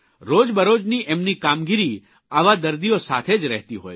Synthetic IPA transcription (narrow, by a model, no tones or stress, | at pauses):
ɾod͡ʒbəɾod͡ʒniʔemnikamɡiɾi | aʋad̪əɾd̪iosat̪ʰed͡ʒɾɛɦt̪iɦo̰ːj